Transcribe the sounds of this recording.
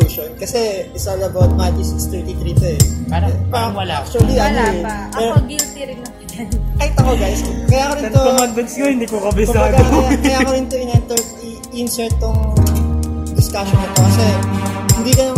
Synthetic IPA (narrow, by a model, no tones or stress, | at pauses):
ʃonkɐsɛɪsɐlɐbawt̪̚mad͡ʒɪsɪnst̪ɛɹt̪it̪ɾiːt̪oɛaɐpaɾɐɐlak̚t͡ʃʊɐliɐnoɛpɛɾbit̪iɾɪnɐ | kɐhit̪ːɐkoɡajskɐjaːkoɾɪt̪omanbɐnskohɪnd̪iːkokɐbɛsakɐjaːkoɾɪnt̪oʔɪnɛnt̪ɛɹt̪i | ʔɪnsɛɹt̪ːoŋ | d̪ɪskaʃonɐt̪okɐsɛhɪnd̪iːkɐno